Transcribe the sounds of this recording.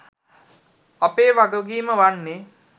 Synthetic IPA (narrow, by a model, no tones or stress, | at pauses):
apeːʋaɡoɡiːməʋanːe